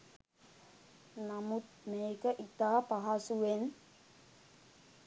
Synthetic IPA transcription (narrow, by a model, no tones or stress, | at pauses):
namut̪̚meekəʔit̪apaɦasuwen